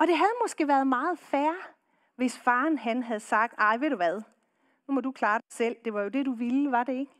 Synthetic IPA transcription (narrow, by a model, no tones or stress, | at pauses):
ɒ̽d̥e̝ɦæð̞ˠmɒ̽sɡ̥e̝ʋæːɐð̞ˠmɑ̈ːð̞̩ˠfæɐ | ʋe̝sfɑ̈ːnɦænɦæð̞̩ˠsɑ̈ɡ̥̚d̥ɑ̈ɪʋe̝̰d̥uʋæð̞ˠ | numɒ̽d̥ukʰlɑ̈ːd̥ɑ̈ɪsel̰d̥e̝ʋɑ̈jo̝d̥e̝d̥uʋilʋɑ̈de̝e̝ɡ̥